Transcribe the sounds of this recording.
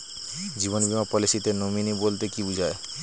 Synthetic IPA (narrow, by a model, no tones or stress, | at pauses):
d͡ʑiβonbimapɔliʃit̪enominibolt̪ekibud͡ʑʱae